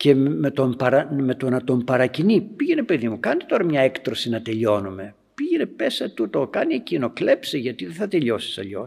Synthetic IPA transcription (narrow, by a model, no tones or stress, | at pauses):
ce̞met̪o̞mpɐɾɐme̞t̪o̞nɐt̪o̞mpɐɾɐcinipiʝene̞pe̞ðimukɐnit̪o̞ɾɐmɲɐekt̪ɾo̞sinɐt̪e̞ʎo̞nume̞ | piʝene̞pe̞sɐt̪ut̪okɐniecinoklepseʝɐt̪iðeθɐt̪e̞ʎo̞si̥sɐʎo̞̰